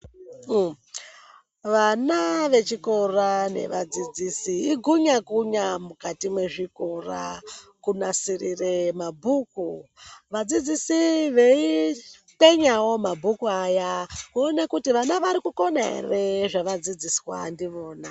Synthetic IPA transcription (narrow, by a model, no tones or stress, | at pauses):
ʋanaʋe̞t͡ʃiko̞rane̞̰ʋad͡zid͡zisiːɡʱuɲakuɲamukatimwe̞ʐikora̰kunasirire̞mabʱuːkuʋad͡zid͡zisiʋe̞i | te̞ɲawo̞mabʱukuajakuonekutiʋanaʋaɾikuko̞na̰reʐaʋad͡zid͡ziswa̰ndiʋo̞ːna